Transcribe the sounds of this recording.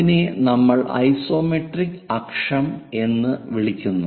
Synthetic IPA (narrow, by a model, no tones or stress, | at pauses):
inenɐmːɐɭɐ̰jso̞ːmeʈrikːɐkʂɐme̞nːɨʋiɭikʲːunːu